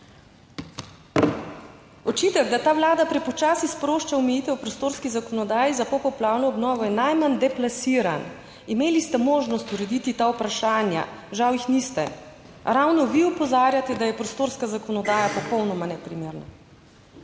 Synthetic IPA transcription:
ɔt͡ʃit̪ɛɡd̪at̪aːʋlaːd̪apɾɛpɔt͡ʃaːsispɾoːʃt͡ʃaumɛjiːt̪ɛwpɾɔst̪oːɾskizakɔnɔd̪aːjizapɔpɔplaːwnɔɔbnɔːʋɔjɛnajmand̪ɛplasiːɾa̰n | imeːlist̪ɛmoːʒnɔst̪uɾɛd̪it̪it̪aːupɾaʃaːnja̰ʒawjixnist̪ɛ | ɾawnɔʋiɔpɔzaːɾjat̪ɛd̪ajɛpɾɔst̪oːɾskazakɔnɔd̪aːjapɔpɔwnɔmanɛpɾimeːɾnɔ̰

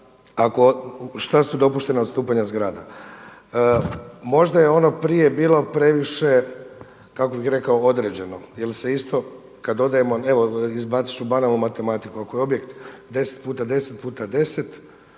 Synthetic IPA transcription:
akoʃt̪asud̪o̞puʃt̪e̞nad̪st̪uːpaɲazɡɾaːd̪a | mo̞ʒd̪ajeo̞no̞pɾije̞biːlˠo̞pɾe̞ʋiʃe̞ | kako̞bixɾe̞kaood̪ɾed͡ʑe̞no̞jelse̞ist̪o̞ | kad̪o̞d̪aje̞mo̞e̞ʋo̞izbat̪si̥t͡ʃubanalnumat̪e̞mat̪ikuako̞jeo̞bje̞kt̪d̪e̞se̥t̪̚puːt̪ad̪e̞set̪̚puːt̪ad̪e̞set̪

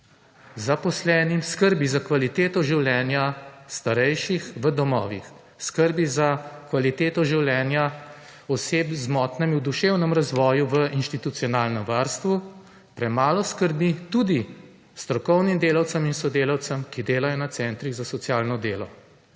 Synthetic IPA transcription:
zapɔslɛːnimskəɾbizakʋalit̪eːt̪ɔʒiwljɛːnjast̪aɾɛjʃixʋəd̪ɔmɔ̰ːʋḭx | skəɾbizakʋalit̪eːt̪ɔʒiwljɛːnja | ɔseːpzmɔt̪nɛmiwd̪uʃeːwnəmɾazʋɔːjuʋəinʃt̪it̪ut̪sijɔnaːlnəmʋaɾst̪ʋu | pɾɛmaːlɔskəɾbit̪ud̪i | st̪ɾɔkɔwnimd̪eːlawsəminsɔd̪eːlawt̪səmkid̪eːlajɔnat̪sɛnt̪ɾiɣzasɔt̪sjaːlnɔd̪eːlɔ̰

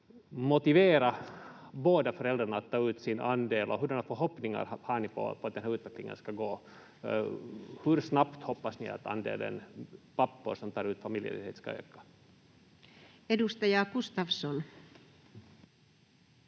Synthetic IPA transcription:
mʊt̪ɪveːɾaboːd̪afœɾɛld̪ɾaɳaaːt̪ʰːɑːʉ̟ːt̪sɪna̰nd̪eːlʔɔɦɵɖɛnafœɾɦɔpːnɪŋa̰ɾhaɳɪpʰɔ̰pʰɔt̪d̪ɛnɦæːʉ̟ːt̪vɛklɪŋə̰nskaɡoː | hɵɾsnapt̪hɔpːasnɪa̰t̪a̰nd̪ḛːlə̰npapːʊɾʂɔmt̪ʰɑːɾʉ̟ːt̪famɪljə̰ɾɪ̰t̪hḛːt̪ska̰ø̰ːkḁ | edust̪ɑjɑɡust̪ɑʋsɔn

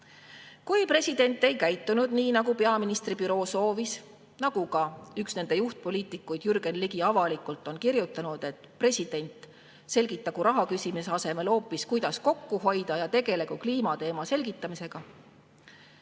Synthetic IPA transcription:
kujpre̞sʲid̪̥e̞nʲt̪ːˑe̞jkæjt̪ːˑunud̪̥niːnɑɡupe̞ɑminist̪ribyɾo̞ːso̞ːvis | nɑɡ̥ukɑyksne̞nd̪e̞juht̪̚po̞liːt̪ˑikːˑujd̪̥jyrɡ̥e̞nliɡ̥iɑvɑlikult̪ːˑo̞nkirjut̪ːˑɑnud̪̥e̞t̪ːˑpre̞sʲid̪̥e̞nʲt̪ | se̞lʲɡ̥it̪ːˑɑɡuɾɑɦɑkysʲimiseɑse̞me̞lo̞ːpːˑiskujd̪̥ɑsko̞kːuɦo̞jd̪̥ɑjɑt̪e̞ɡe̞le̞ɡukliːmɑt̪e̞ːmɑse̞lʲɡ̥it̪ˑːɑmise̞ɡ̥ɑ

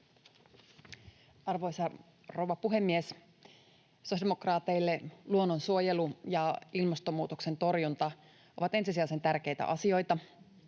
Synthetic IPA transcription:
ɑrʋo̞jsɑ | ro̞wʋɑpuɦe̞mːies | sosdemokrɑːt̪e̞jlːe̞luonːonsuo̞je̞lujɑilmɑst̪omːuːt̪okse̞nt̪o̞rjunt̪ɑ | o̞̰ʋɑt̪ensis̬iɑse̞nt̪ærk̟e̞jt̪æ̰ʔɑsio̞jt̪ɑ

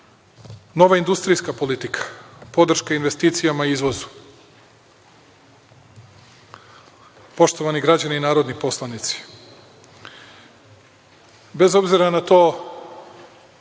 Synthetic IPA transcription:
no̞ʋaind̪ust̪ɾijskapo̞lit̪ikʰḁpo̞d̪r̩ʃkainʋe̞st̪iːt̪sijamaiizʋo̞zu̥ | po̞ʃt̪oʋaniɡɾad͡ʑaniinaːɾo̞d̪nipo̞slˠanit̪si̥ | be̞zo̞bziɾanat̪oː

